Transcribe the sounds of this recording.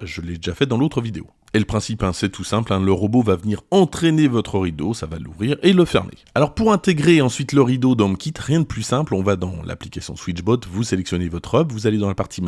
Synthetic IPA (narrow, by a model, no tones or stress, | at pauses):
ʒəlːɛd̪eʒafɛd̪ɑ̃lot̪χəvid̪eo̰ | eləpχɛ̃sipɛ̃sɛt̪ʰusɛ̃plɛ̃ləʁɔbovavəniʁɑ̃t̪χɛnevɔt̪χəʁid̪osava̰lṵvʁiʁeləfɛ̰ʁmḛalɔʁpuʁɛ̃t̪eɡʁeɑ̃sɥit̪ləʁid̪od̪ɔmkʲit̪ʁjɛ̃d̪əplysɛ̃plɔ̃vad̪ɑ̃lʔa̰plikasjɔ̰̃swit͡ʃbɔt̪vuselɛksjɔnevɔt̪χœbvuzaled̪ɑ̃lapaʁt̪ʰim